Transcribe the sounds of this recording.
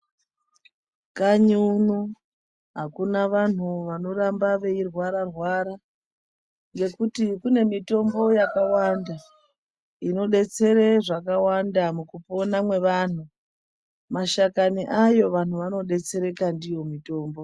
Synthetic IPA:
kaɲunu | ɦakunaʋan̤uʋano̞ɾambaʋe̞irwaɾarwaɾa | ŋɡe̞kutikune̞mito̞mbo̞jakawanda | ino̞ɗe̞t͡se̞ɾeʐakawandamukupo̞namwe̞ʋan̤u | maʃakaniʔajo̞ʋan̤uʋano̞ɗe̞t͡se̞ɾe̞kandijo̞mito̞ːmbo̞

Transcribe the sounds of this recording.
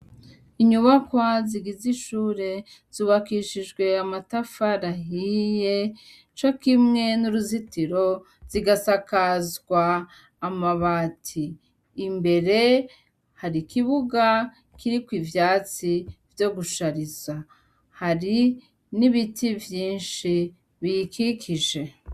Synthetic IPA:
iɲuβakwaziɡiziʃuːɾe̞ | z̥uβakiʃiʒɡwe̞amatafaɾaɦije̞ | t͡ʃo̞kimŋe̞nuɾuzitiɾo̞ | z̥iɡasakazɡwaː | maβaːtʰiː | mbe̞ɾe̞ | haɾikiβuɡa | kiɾikwiːvjaːt͡sivjo̞ɡuʃaɾiza | haɾi | niβitʰivjiːnʃi | βijikikʰiʒe̞

